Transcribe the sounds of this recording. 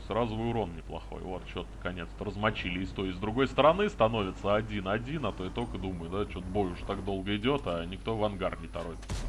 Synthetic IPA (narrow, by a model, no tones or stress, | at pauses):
sɾazʊvɨʊɾo̞nnʲɪplˠɐ̰xo̞̰jvo̞t̪t͡ɕo̞t̪nəkɐnʲe̞t̪st̪əɾəzmɐt͡ɕilʲɪɪst̪oɾʲɪːzd̪ɾʊɡo̞jst̪əɾɐnɨst̪ɐno̞vʲɪt̪səɐdʲinɐdʲinɐt̪o̞ɪt̪o̞kəd̪uməjʊd̪at͡ɕo̞t̪bo̞jʲʊʐt̪aɡd̪o̞lˠɡəɪdʲo̞t̪anʲɪkt̪o̞vɐnɡarnʲɪt̪ɐɾo̞ɪt̪